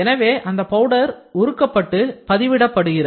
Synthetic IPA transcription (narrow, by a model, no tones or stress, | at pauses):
ɛnɐʋeːʔɐnd̪ɐpɐʋɯɽɐɾʊɾɯkːɐpːɐʈːɯpɐðɪʋɪɽɐpːɐɽɯɣɪɾɐ